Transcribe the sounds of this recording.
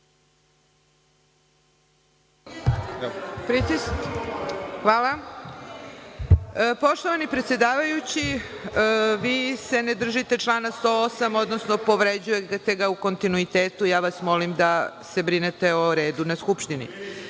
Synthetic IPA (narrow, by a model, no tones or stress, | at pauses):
pɾit̪i | xʋaːla | po̞ʃt̪o̞ʋanipɾe̞t̪sjed̪aːʋajut͡ɕi | ʋiːse̞ned̪r̩ʒit̪e̞t͡ʃlˠaːnast̪oosamo̞d̪no̞sno̞po̞ʋɾed͡ʑujet̪e̞ɡauko̞nt̪inuit̪e̞ːt̪ujaːʋasmo̞limd̪ase̞bɾine̞t̪e̞oɾe̞ːd̪unaskupʃt̪inḭ